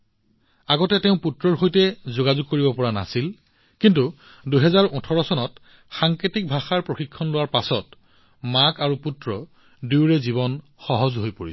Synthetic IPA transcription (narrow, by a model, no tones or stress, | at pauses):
aɡɔtɛteʊ̃putɹɔɹxojtɛzoɡazuɡ̚koɹibɔpɔɹana̰sil | kintu | duɦɛzaɹɔtʰɔɹɔsɔnɔt | xaŋkɹetik̚bʱaxaɹpɹoxikʰːɔnlʊwaɹpasɔt | makaɹuputɹɔ | diwɹɛziβɔn | xɔɦɔzɦojpoɹis